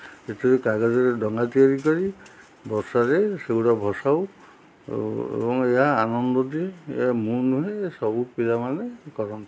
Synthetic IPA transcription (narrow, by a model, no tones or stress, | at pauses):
et̪iɾekaɡazɔɾedɔŋɡat̪iɔɹikɔɹi | bɔɾsaɾeseuɾɔbʱɔsaw̰ | ḛbɔŋejaːnɔnd̪ɔd̪iḛjamunuɦesɔbupiɾamanekɔɾɔn